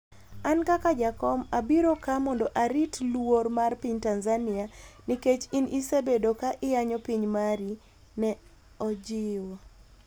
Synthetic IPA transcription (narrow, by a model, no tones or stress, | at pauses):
ankakad͡ʒakɔmabiɾokamɔndɔʔaɾitlwoɾmarpiɲtanzanɪaniket͡ʃinʔisebedokaʔɪjaɲɔpiɲmaɾi | nɛ | ɔd͡ʒɪwo